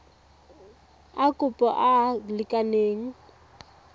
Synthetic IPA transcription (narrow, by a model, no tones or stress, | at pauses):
akʼʊpʼɔ̰ʔalɪkʼaneːŋ̩